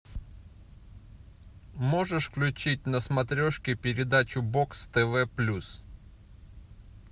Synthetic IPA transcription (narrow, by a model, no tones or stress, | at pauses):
mo̞ʐɨʂfklʲʉt͡ɕit̚ʲnəsmɐt̪ɾʲoʂkʲɪpʲɪɾʲɪd̪at͡ɕʊbokst̪ɛvɛplʲus